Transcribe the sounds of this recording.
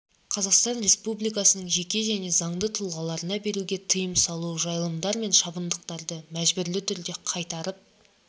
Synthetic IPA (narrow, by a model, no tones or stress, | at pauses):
qʰɑzɑqst̪ɑnre̞spublijk̬ɑsənəɴʒe̞kʲe̞ʒæne̞zɑɴd̪ət̪ʰʊlˠʁɑlˠɑɾənɑbe̞ɾuɡʲe̞t̪ʰəjəmsɑlˠuʒɑjlˠəmd̪ɑɾme̞nʃɑbənd̪əq̚t̪ɑɾd̪əmæʒbʏɾlɪt̪ʰʏɾd̪e̞qʰɑjt̪ɑɾəp̚